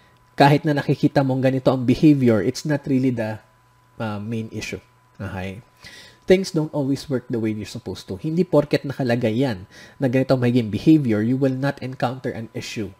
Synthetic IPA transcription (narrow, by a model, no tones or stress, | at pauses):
kaːɦɪt̪nɐnɐkɪkiːt̪ɐmoŋɡɐnɪt̪o̞ʔɐŋbɪhevjʊɹʔɪt̪snɐt̪ɹilid̪ɐ | ʔɐmẽjnʔɪ̰ʃu | ʔahaj | θɪ̃ŋsd̪ownt̪ʔolwiswɛɹk̚d̪ɐwejd̪ɛɹsʊpowst̪uhɪnd̪iːpoɾkɛt̪̚nɐkɐlɐɡajːanːɐɡɐnɪt̪oɐŋmɐhiɡɪŋbɪhejvjɛɹjuwɪlnɐt̪ɛ̃nkawnt̪ɛɹʔɐ̃nɪʃu